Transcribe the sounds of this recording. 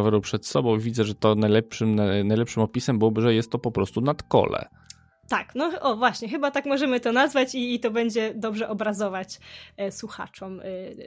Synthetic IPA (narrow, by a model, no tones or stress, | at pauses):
vɛɾupʂɛt̪sɔbɔ̃w̃vʲid̪zɛʐɛt̪ɔnajlɛpʂɘmnanajlɛpʂɘmɔpʲisɛmbɘwɔbɘʐɛjɛst̪ːɔpɔpɾɔst̪unat̪kɔ̰lɛ̰ | t̪aknɔʔɔvwaɕɲɛxɘbat̪akmɔʐɛmɘt̪ɔnazvat͡ɕiːt̪ɔbɛɲd͡ʑɛd̪ɔbʐɛʔɔbɾazɔvat͡ɕswuxa̰t͡ʂɔm